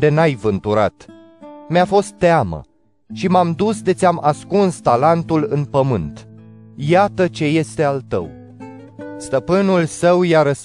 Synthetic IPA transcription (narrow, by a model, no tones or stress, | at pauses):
d̪e̞najvɨnt̪uɾa̰t̪ | meafo̞st̪ːeamə̰ | ʃimamd̪usd̪e̞t̪sʲiamʔaskunst̪alant̪ulɨnpəmɨnt̪jat̪ət͡ʃe̞je̞st̪e̞alt̪ə̰w | st̪əpɨnulsəwjaɾəs